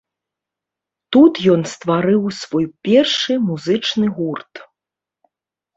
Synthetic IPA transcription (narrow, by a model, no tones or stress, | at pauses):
t̪ut̪jɔnst̪vaɾɨwsvɔjpʲɛrʂɨmuzɨt͡ʂnɨɣurt̪